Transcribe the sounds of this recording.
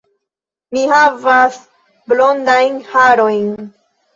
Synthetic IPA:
mihavas | blo̞ndajnhaɾojn

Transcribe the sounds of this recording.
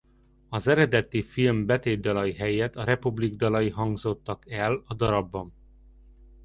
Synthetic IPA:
ɒzɛɾɛd̪ɛt̪ifilmbɛt̪eːd̪ɒlɒjiɦɛjɛt̪ɒɾɛpubliɡd̪ɒlɒjiɦɒŋɡzo̞t̪ːɒkɛlɒd̪ɒɾɒbːɒn

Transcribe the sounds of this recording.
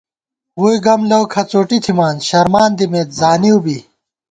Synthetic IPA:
wujɡɐmlɐwkʰɐt͡soːʈit̪ʰimaːnɕɐɾmaːnd̪imeːt̪̚zaːniubi

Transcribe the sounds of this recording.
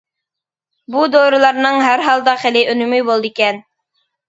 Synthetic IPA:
bud̪ojɾɤ̆lˠɑɾnɤɴɦæɾɦɑlˠd̪ɑχæliʔɵ̆nymɘjbolˠd̪ikæn

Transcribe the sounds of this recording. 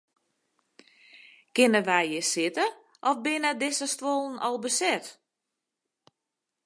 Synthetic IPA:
kɪnəʋɛjjɪsɪtə | ʔɔfbɪnədɪsəstʋolˠn̩ɔlˠbəsɛt

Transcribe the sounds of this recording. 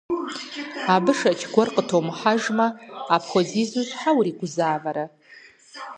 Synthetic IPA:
abɨʂat͡ʃʰɡʷɔrqʼətʰomħaʒmɐːpʰxʷozizuzʷħawɾiɡʷʊzaːvaɾa

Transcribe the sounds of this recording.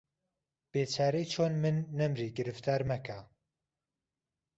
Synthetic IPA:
b̥eːt͡ʃʰaːɾijt͡ʃʰoːnmɨnːɛmɾiːɡɨɾɨft̪ʰaːɾmɛkʰa

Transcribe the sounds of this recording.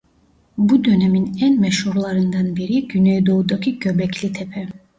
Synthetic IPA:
bud̪ø̞nɛminænmɛʃhuɾlˠɑɾɯnd̪ɑnbiɾiɟynejd̪oud̪ɑkʰicʰøbɛcʰlʲit̪ʰɛpʰɛ

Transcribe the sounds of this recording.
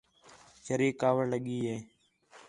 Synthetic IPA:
t͡ʃəɾeːkaːʋəɽləɠiːɦeː

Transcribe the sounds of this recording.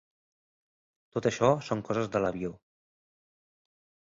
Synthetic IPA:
t̪ot̪əʃɔsoŋkɔzəzðələβio

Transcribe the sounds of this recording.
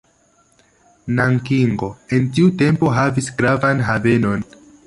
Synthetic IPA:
naŋkiŋɡo̞e̞ntiute̞mpo̞ɦavisɡɾavanɦave̞no̞n

